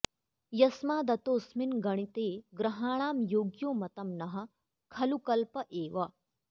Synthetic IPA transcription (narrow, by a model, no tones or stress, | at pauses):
jɐsmaːd̪ɐt̪oːsminɡɐɽ̃it̪eːɡɾɐɦaːɳ̃aːmjoːɡjoːmɐt̪ɐmnɐɦɐ̆ | kʰɐlukɐlpɐʔeːʋɐ